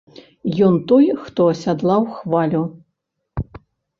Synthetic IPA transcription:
jɔnt̪ɔjxt̪ɔɐsʲad̪lˠawxvalʲu

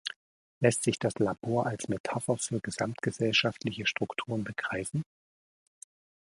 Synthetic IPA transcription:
lɛstz̥ɪçd̥aslaboːɐʔalsmetʰafɐfyːɐɡəzamtɡ̥əzɛlʃaftlɪçəʃtʁ̥ʊktʰuːʁ̞ənbəɡ̥ʁaɪfn̩

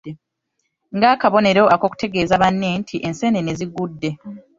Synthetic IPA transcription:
e | ŋɡaːkaβo̞ne̞ɾo̞ʔako̞ku̥te̞ɡe̞ːzaβanːe̞ntʰiʔe̞nse̞nene̞ziɡudːe̞

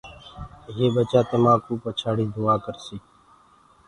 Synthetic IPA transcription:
jeːbət͡ʃaːt̪əmaːkuːpət͡ʃʰaːɽiːd̪ʊaːkəɾsiː

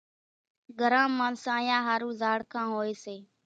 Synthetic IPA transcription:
ɡʱəɾãːmãːnsãːjãːɦaːɾũːzaːɽkʰãːɦoːeːseː

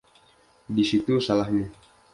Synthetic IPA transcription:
disit̪usalahɲa

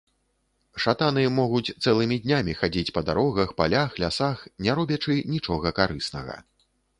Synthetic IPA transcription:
ʂat̪anɨmɔɣut͡sʲt̪sɛlˠɨmʲid̪ʲnʲamʲixad͡zʲit͡sʲpɐd̪aɾɔɣɐxpa̰lʲaxlʲasaxnʲɛɾɔbʲɐt͡ʂɨnʲit͡ʂɔɣɐkaɾɨsnɐ̰ɣɐ̰

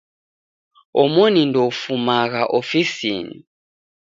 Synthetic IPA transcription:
ɔmɔnindɔfumaɣaʔofisḭːnḭ

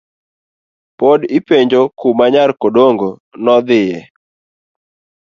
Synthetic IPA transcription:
podipeɲd͡ʒokumaɲarkodoŋɡonɔd̪ɪjɛ

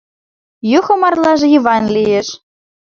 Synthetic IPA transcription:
juxɤ̆mɑrlˠɑʒɤ̆jivɑnlʲijĕʃ

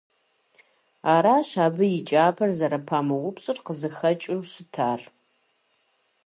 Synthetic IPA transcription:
aːɾaːɕaːbɨjɪt͡ʃʼaːpʰɐrzɐɾɐpʰaːmɨʁʷʊpɕʼɨrqəzɨxɐt͡ʃʼɪwɕɨtʰaːr

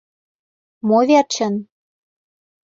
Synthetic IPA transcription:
movʲert͡ɕə̆n

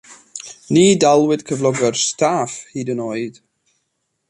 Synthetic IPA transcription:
niːdalˠwɪd̥kʰəvlˠɔɡərstʰaːfhiːdənoːɨd̥

